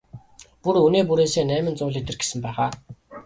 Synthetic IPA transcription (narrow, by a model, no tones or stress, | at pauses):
puɾuneːp̬uɾeːseːnæːmɘ̆nt͡sʊːɮet̪ɘ̆rɡe̥sɘ̆mpæːʁaː